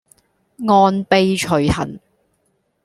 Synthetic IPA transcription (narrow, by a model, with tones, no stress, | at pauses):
ŋɔː˧npe˧jt͡ʃʰɵ˨˩ɥhɐ̰˨˩n